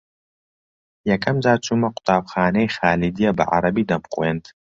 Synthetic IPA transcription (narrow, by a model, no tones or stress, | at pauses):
jɐkʰɐmzaːt͡ʃʰʼumɐqʷʰʼʊ̥t̪ʰʼaːbxaːnɐjxaːlid̪ijɐbɐ̰ʕa̰ɾɐbiːd̪ɐmqʼweːnt̪ʰ